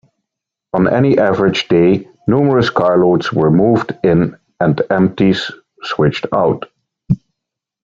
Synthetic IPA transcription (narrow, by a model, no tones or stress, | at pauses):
ə̃nʔɛniʔævəɹɨd͡ʒdeɪ | nuːmə˞əskʰɑɹloʊdz̥wə˞muːvdɪ̃n | ɨ̃ndʔɛ̃mp̚tiz̥ | swɪt͡ʃtʰa̰ʊt